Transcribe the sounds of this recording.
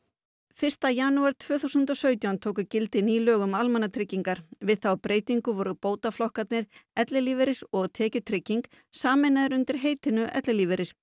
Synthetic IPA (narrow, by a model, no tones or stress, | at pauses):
fɪr̥st̪ajanuaɾ̥t̪ʰvœːθuwsʏnt̪ɔsœːɥt̪jawnt̪ʰoːwkʏcɪlt̪ɪniːlœːɣʏmalmɛnat̪ʰɾɪcːiŋkaɾ̥vɪðθawpɾʔeːjt̪iŋkʏvɔɾʏpoːwt̪aflɔhkat̪nɪɾ̥ɛt̪lɪliːvɪɾɪɾ̥ɔɣt̪ʰɛːcʏt̪ʰɾɪcːiŋk | saːmɪnaðɪɾʏnt̪ɪɾ̥ɦeːjt̪ɪnʏʔɛ̰t̪lɪliːvɛɾɪɾ̥